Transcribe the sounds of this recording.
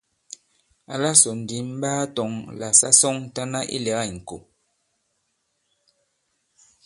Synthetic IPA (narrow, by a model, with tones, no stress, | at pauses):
a˨la˦sɔ˨n̩˨di˨˦m̩˦baː˦tɔ˨˦ŋla˨sa̰˦sɔ˦ŋ˦ta˦na˦ʔḭ˦lɛ˨˦ɣa˦˨ŋ̩˨ko˨